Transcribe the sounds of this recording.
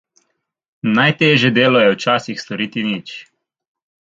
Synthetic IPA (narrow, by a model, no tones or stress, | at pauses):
najt̪eːʒjɛd̪eːlɔjɛwt͡ʃaːsixst̪ɔɾiːt̪init͡ʃ